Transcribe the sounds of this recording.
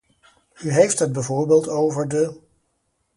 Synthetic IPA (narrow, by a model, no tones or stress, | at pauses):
yɦejftɦəd̚bəvoːɹbeːlˠtowvəɹdə